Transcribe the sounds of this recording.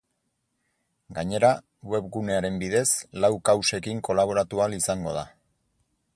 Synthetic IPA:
ɡaɲe̞ɾa | we̞βɡune̞aɾe̞mbiðe̞slawkawse̞kiŋko̞laβ̞o̞ɾat̪ualisaŋɡo̞ð̞a̰

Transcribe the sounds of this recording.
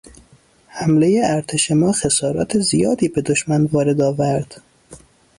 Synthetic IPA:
hæmle̞jeæɾt̪ʰeʃemɒːxe̞sɒːɾɒ̰ːt̪ʰezijɒːd̪iːbe̞d̪oʃmænvɒːɾe̞d̪ɒːvæɾd̪̥

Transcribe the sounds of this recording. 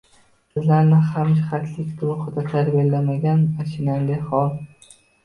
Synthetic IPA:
sɪzlaɾnɪhamd͡ʒɪχat̪ʰlɪkʲd̪ʊlˠʊχɨd̪at̪ʰaɾbelːamaɡʲanmaʃɪnalɪhɒlˠ

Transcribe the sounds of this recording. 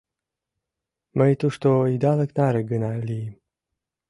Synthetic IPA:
məjt̪uʂt̪oid̪aləknaɾeɡɨnalim

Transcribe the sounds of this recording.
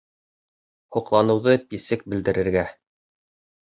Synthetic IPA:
huqlˠɑnɤ̆wðɤpisɘk̚bɘ̆ld̪ɘ̆ɾɘ̆ɾɡæ

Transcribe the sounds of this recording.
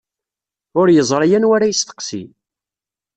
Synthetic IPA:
ʊɾjəzˤɾˤɑjænwaɾajəst̪ə̥qsḭ

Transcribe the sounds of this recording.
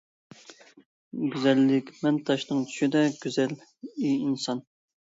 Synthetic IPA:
ɡʲyzɛlːɪkʲmɛnt̪ʰɑʃnɨŋt͡ʃ̪ʰy̥ʃid̪ɛɡ̥ʲyzɛl | iinsɑn

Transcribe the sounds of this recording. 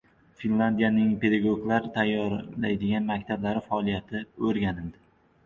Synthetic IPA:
finlˠand̪ijanɪŋpʰe̞d̪aɡoɡlaɾt̪ʰajːɒɾlajd̪ɪɡʲanmakʲt̪ʰablaɾɪfaɒlˠijat̪ʰɪɵɾɡʲanɪld̪ɪ

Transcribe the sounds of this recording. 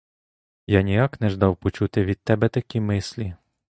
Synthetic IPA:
janʲijaknɛʒd̪ɑwpɔt͡ʃut̪ɪʋʲid̪̥̚t̪ɛbɛt̪ɐkʲimɪslʲi

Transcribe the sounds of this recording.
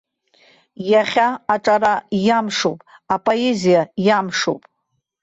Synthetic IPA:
jaχʲaːʈ͡ʂʼaɾajamʂo̰wpʼ | apʼoezijajamʂo̰wpʼ

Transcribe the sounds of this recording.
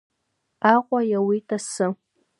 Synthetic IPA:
aːqʷʼɔjawitʰʼɐsɨ

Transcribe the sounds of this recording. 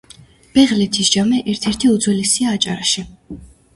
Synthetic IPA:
b̥ɛʁlɛt̪ʰisʒamɛʔɛɾt̪ʰɛɾt̪ʰiud̪zwɛlisiaːt͡ʃʼa̰ɾaʃi

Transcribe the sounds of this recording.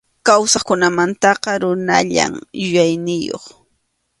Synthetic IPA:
kawsaχkʊnamant̪ɑqɑɾʊna̰ʎa̰mjʊjajnɪjo̰χ

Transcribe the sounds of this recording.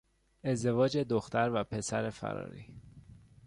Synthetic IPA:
e̞zd̪e̞vɒːd͡ʒe̞d̪oxt̪æɾvæpʰe̞sæɾe̞fæ̰ɾɒ̰ːɾḭ

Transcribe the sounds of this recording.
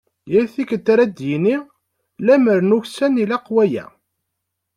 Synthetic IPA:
jæɾθikət̪ːɾæd̪jini | læməɾnuçsænilæqwæjæ̰

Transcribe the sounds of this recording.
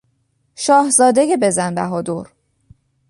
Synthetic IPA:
ʃɒːhzɒːd̪eɟebe̞zænbæɦɒːd̪oɾ

